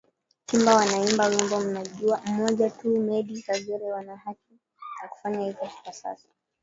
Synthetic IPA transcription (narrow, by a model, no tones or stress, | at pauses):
simbawanaimbawimbɔm̩naʄuam̩mɔʄatumɛɗikaɠɛɾɛwanahaki | jaku̥faɲahizɔki̥kasa̰sɔ̥